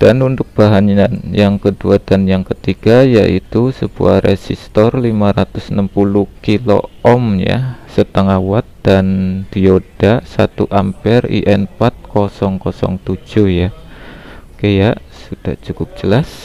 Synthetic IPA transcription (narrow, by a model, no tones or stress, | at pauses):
d̥anund̪ʊk̚b̥aɦaɲanjaŋkəduad̥anjaŋkət̪iɡ̥ajaʔit̪usəb̥ṵa̰ɾesist̪ɔrlimaɾat̪ʊsnəmpulukilo̰ɔmja̰sət̪əŋawat̪̚d̥and̪̥iod̥asat̪uʔampɛrḭʔɛnpat̪̚kɔsɔŋkɔsɔ̰ŋt̪u̥d͡ʒ̥uhja | kajaʔ | sud̥aht͡ʃukʊp̚d͡ʒəlas